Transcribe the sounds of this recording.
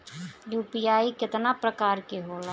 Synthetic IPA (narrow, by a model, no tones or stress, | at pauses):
ɾuːpijaːikɪt̪napɾəkaːɾkeɦoːla